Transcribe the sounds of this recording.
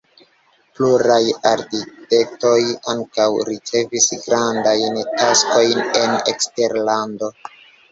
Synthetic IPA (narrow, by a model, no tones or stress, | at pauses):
pluɾajaɾkite̞k̚to̞jaŋkawɾit͡se̞visɡɾandajntasko̞jne̞nḛkste̞ɾlando̞